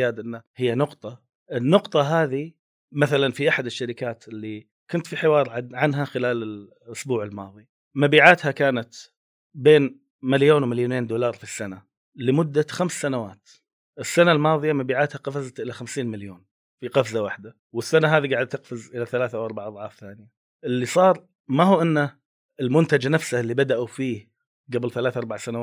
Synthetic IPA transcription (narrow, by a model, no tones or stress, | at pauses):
jaːd̪ʔɪnːahɪjːanʊqt̪ˤɑ | ʔɪnːʊqt̪ˤɑɦaːði | maθalanfiʔaħad̪ɪʃːaɾɪkaːt̪ʔɪlːi | kʊnt̪fiħɪwɑːɾˤʕaʕanɦaxɪlaːlɪl | ʔʊsbuːʕɪlmɑ̰ːðˤi | mabiːʕaːt̪hakaːnat̪ | beːn | maljoːnwmaljoːneːnd̪uːlɑːɾˤfisːana | lɪmʊd̪ːaxamsːanawaːt̪ | ʔɪsːanalmɑːðˤjamabiːʕaːt̪haqɑfazat̪ʔɪlaxamsiːnmaljoːn | fiqɑfzawaħd̪a | wɪsːanaɦaːðiɡaʕd̪t̪ːɪqfɪzʔɪlaθalaːθaʔawʔɑɾˤbaʕʔɑðˤʕɑːfθaːnɪja | ʔɪlːisˤɑːɾˤ | maɦuːʔɪnːa | ɪlmʊnt̪ad͡ʒanafsalːibad̪aʔufiːh | ɡablθalaːθʔɑɾˤbaʕsanawaː